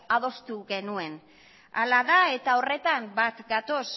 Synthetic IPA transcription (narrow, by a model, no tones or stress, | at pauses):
aðo̞st̪uɣe̞nue̞n | a̰laðae̞t̪ao̞re̞t̪ambat̪ɡat̪o̞s